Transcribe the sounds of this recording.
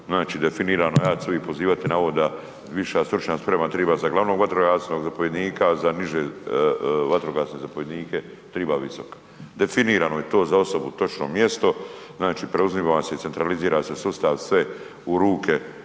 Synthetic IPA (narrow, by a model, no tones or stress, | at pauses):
znaːt͡ʃiːd̪efiniːɾanojaːt̪suipo̞ziːʋat̪inaoʋod̪a | ʋiʃaːst̪ɾut͡ʃɲaspɾemat̪ɾiːbaːzaɡlˠaʋnoːɡʋat̪ɾoɡaːsnoɡzapoʋje̞d̪niːkazaniʒeː | ʋat̪ɾoɡaːsnezapoʋje̞d̪niːke | t̪ɾiːbaʋiso̞kḁ | d̪e̞finiːɾaːnojet̪o̞ːzao̞so̞but̪o̞t͡ʃno̰mje̞st̪o̞znaːt͡ʃiːpɾeuzmiʋase̞it̪se̞nt̪ɾaliziːɾaːse̞sust̪aʋsʋe | uɾuːkʰe